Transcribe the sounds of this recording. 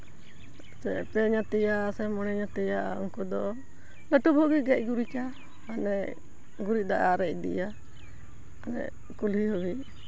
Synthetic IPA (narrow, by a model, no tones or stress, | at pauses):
sɛpɛɲat̪ɛjasɛmɔnɛɲat̪ɛjaaɔ̰ŋkɔd̪ɔ | ləʈubʱɔɡiɡɛc̚ˀɡuɾit͡ʃa | anɛʔ | ɡuɾit̪̚d̪aʔaɾɛc̚d̪ḭja | anɛ̰ʔ | kulihɔwi